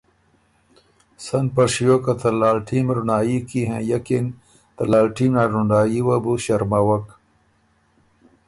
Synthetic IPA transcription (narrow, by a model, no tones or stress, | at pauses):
sɐnpɐɾʂijokɐt̪ʰɐlaːlʈʰiːmɾunaːikiɦḛ̃jɐkin | t̪ɐlaːlʈiːmnaɾuɳɖaːjiwabuɕɐɾmawɐk